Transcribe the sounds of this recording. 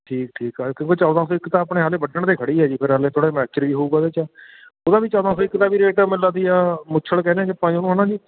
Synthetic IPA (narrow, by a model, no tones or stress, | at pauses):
ʈʰiːk̚ʈʰiːkɦɛːkjõːkeːt͡ʃɔːd̪aːsoːɪkt̪ãːəpɳeːɦaːleːbəʈəɳt̪eːkʰəɽiːɦɛːd͡ʒiːpʰɪɾɦaːleːt̪ʰoːɽeːmɛːt͡ʃəɾʋiːɦouːɡaːd̪eːt͡ʃaː | oːd̪aːbiːt͡ʃɔːd̪ãːsoːɪkːt̪aːbiːɾeːʈːmɪlːaːd̪iːaːmʊt͡ʃʰəɭkɛːneɛ̃ːkpãːĩoːnũːɦənãːd͡ʒiː